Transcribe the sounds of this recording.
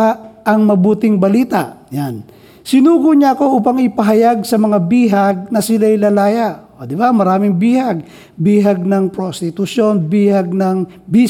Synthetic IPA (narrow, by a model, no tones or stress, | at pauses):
ʔɐŋmɐbuːt̪ɪŋbɐliːt̪a̰ʔjan | sɪnuːɡʊɲaɐko̞ʔuːpɐŋɪpɐɦɐjaɡsɐmɐŋabiːɦaɡ̚nɐsɪlajlɐlaːjaod̪ɪbamɐɾaːmɪŋbiːhaɡ̚ | biːɦaɡ̚nɐŋpɾost̪ɪt̪ʊʃjo̞nbiːhaɡ̚nɐŋbi